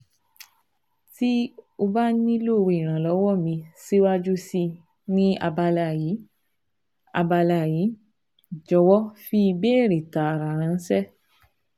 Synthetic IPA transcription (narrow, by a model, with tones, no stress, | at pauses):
ti˦o˧ba˦nĩ˦lo˦˨˧wi˨ɾ̃ã˨lɔ˨˦wɔ˦˨mĩ˧si˦wa˦d͡ʒu˦si˧ | nĩ˦a̰˧ba˧la˧˨ji˨˦ | a̰˧ba˧la˧˨ji˨˦ | d͡ʒɔ˧wɔ˦fi˧˦i˧be˦˨ɾi˨ta˨ɾa˨ɾ̃ã˨˧˦n̩˦sɛ˦